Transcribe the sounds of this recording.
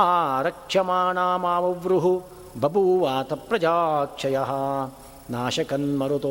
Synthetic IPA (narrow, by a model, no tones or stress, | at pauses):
aːɾɐkʂɐmaːɳaːmaːʋɐʋɾuɦu | bʱɐbʱuːʋaːt̪ɐpɾɐd͡ʒaːkʂɐjɐɦɐ̆ | naːʃɐkɐnmɐɾut̪o